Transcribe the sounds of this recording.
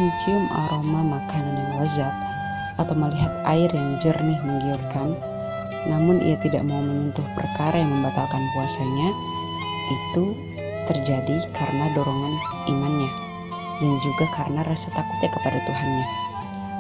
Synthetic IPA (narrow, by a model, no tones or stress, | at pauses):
t͡ʃiʊmʔa̰ɾomamakandanwazat̪̚ | at̪awməliɦat̪̚a̰ɪrjaŋd͡ʒərnɪhməŋɡiat̪̚kanː | amʊnʔḭat̪ida̰ʔmaumənunt̪ʊhpərkaɾʔajaŋməmbat̪alkanpuasaɲa | ʔit̪u | t̪ərd͡ʒadikʰaɾənadoɾɔŋanimanɲa | dand͡ʒuɡakaɾənaɾasat̪akʊt̪̚ɲakəpadat̪uɦanɲa